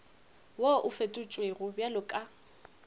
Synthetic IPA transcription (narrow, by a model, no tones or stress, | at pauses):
woʔʊfetʼʊt͡ʃʼweɣʊbjalʊkʼa